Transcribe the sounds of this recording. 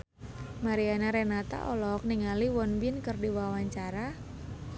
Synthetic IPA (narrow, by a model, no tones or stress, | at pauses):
maɾianaɾɛnat̪a̰ʔɔlɔk̚niŋaliwɔnbɪnkərdiwawaɲt͡ʃaɾa